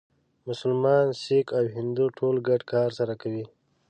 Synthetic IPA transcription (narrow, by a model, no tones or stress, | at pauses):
mʊsʊlmɑːnsikawɦɪnd̪uʈʰolɡaɖkɑːɾsaɾakawi